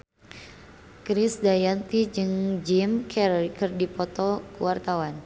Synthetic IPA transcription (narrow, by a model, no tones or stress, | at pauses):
kɾisdajant̪id͡ʒɨŋd͡ʒimkʰɛɾɔikɨrdipɔt̪ɔkuwart̪awan